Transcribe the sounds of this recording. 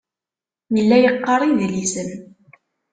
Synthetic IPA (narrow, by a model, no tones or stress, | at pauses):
jəlːæjəqːɑɾˤiðlisəm